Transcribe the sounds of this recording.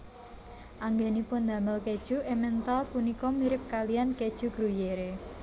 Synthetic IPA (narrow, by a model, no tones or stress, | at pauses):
ʔaŋɡenipʊnd̪a̤məlked̥ʒ̥ṳemɛnt̪alpunikɔmiɾɪp̚kalijanked̥ʒ̥ṳɡ̥ɾujeɾe